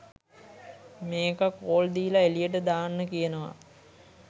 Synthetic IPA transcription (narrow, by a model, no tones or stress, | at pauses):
meːkakoːld̪iːlaelijəʈ̬əd̪aːnːəkijənəʋa̰